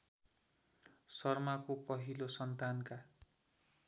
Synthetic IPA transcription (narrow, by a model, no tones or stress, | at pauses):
sʌrmakopʌɦilosʌnt̪anka